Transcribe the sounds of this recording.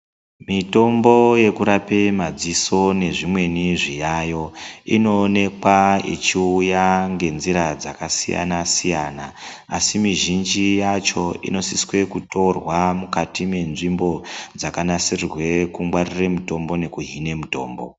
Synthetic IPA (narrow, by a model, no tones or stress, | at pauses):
mito̞mbo̞je̞kuɾapemad͡ziso̞ne̞ʐimwe̞niʐijajo̞ḭno̞ːne̞kwaḭt͡ʃiujaŋɡe̞nziɾad͡zakasḭja̰nasijanaːsimiʒind͡ʒijat͡ʃo̞ḭno̞siswe̞kuto̞rwamukatime̞nʐimbo̞d͡zakanasirrwe̞kumwariremuto̞mbo̞ne̞kuɦine̞muto̞ːmbo̞̰